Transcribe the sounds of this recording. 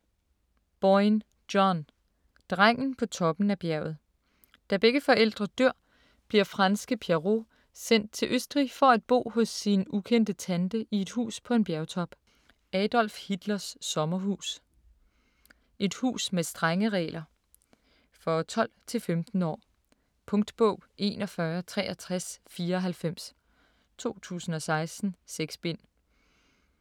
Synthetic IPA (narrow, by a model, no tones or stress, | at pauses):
b̥ɒɪn | d̥ɒn | d̥ʁaŋ̰n̩pʰɒ̽t͡sʰɒ̽b̥n̩æb̥jæɐ̰ʊð̩ˠ | d̥æb̥eɡ̥əfɒ̽ʔel̰d̥ʁɐd̥øɐ̰ | b̥liɐfʁɑ̈nsɡ̥əpʰeʁo̝ | sen̰d̥̚t͡sʰe̝lʔøsd̥ʁifɒ̽æd̥̚b̥o̝̰ːhɔ̽sːinukʰen̰d̥ət͡sʰænd̥əʔie̝d̥hṵːspʰɒ̽e̝nb̥jæɐʊt͡sʰɒ̽b̥ | ɛd̥ɒ̽l̰fhid̥lɐsːɒ̽mɐɦṵːs | ʔe̝d̥hṵːsmesd̥ʁaŋəʁɛ̰ːlʔɐ | fɒ̽t͡sʰɒ̽l̰t͡sʰe̝lfemd̥n̩ɒ̰ː | pʰɔ̽ŋd̥b̥ɔʊ̰ʔe̝ːnɒ̽fɶɐt͡sʰʁɛ̰ːɒt͡sʰʁasfiːɐɒ̽ɦælfem̰s | t͡sʰo̝̰ːt͡sʰṵːsn̩ɒ̽sɑ̈ɪsd̥n̩seɡ̥sb̥en̰